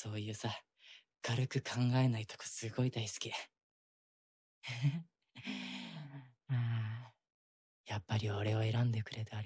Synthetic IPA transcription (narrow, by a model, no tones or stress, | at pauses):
so̞ːjɯ̟ːsa | kaɾɯ̟kɯ̟kʰãŋɡae̞nait̪o̥ko̥sɨɡo̞id̪aisɨ̥kʲi | aː | japːaɾʲioɾe̞oe̞ɾãnd̪e̞kɯ̟ɾe̞t̪ɯaɾ